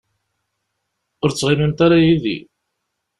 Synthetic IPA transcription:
ʊɾt͡sːʁimimt̪aɾajiðḭ

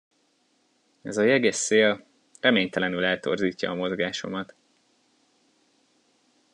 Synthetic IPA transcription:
ɛ̰zɒjɛɡesːeːl | rɛmeːɲt̪ɛlɛnylɛlt̪o̞̰rziːcːɒ̰ːmo̞zɡaːʃo̞̰mɒt̪

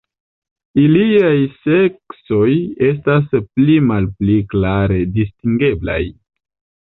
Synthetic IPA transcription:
iliajse̞kso̞je̞s̬tasplimalpliklaɾe̞distiŋɡe̞bla̰j

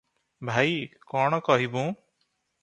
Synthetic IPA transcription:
bʱajkɔɳ̃ɔkɔɦibũ

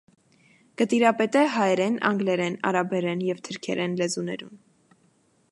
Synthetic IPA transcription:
kət̪iɾɑpɛt̪ɛɦɑjɛɾɛnɑ̰ŋɡlɛɾɛnɑ̰ɾɑbɛɾɛnjɛvt̪ʰəɾkʰɛɾɛnlɛzunɛ̰ɾun

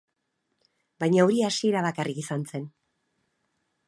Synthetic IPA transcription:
bajɲaoɾiasie̞ɾaβakarikisant͡se̞n

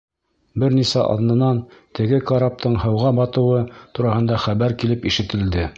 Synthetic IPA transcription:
bɘɾnisæʔɑ̰ðnɤ̆nɑnt̪ɘ̆ɡɘkaɾap̚t̪ɤɴhɤ̆wʁɑbɑt̪ɤ̆wɤt̪uɾɑhɤ̆nd̪ɑχæβæɾkilɘpiʃɘ̆t̪ɘ̆ld̪ɘ

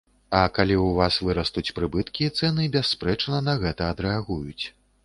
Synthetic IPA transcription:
ɐkalʲiwvasvɨɾɐst̪ut͡sʲpɾɨbɨt̪kʲijt̪sɛnɨbʲɛsːpɾɛt͡ʂnɐnɐɣɛt̪ɐːd̪ɾɛaɣujut͡sʲ

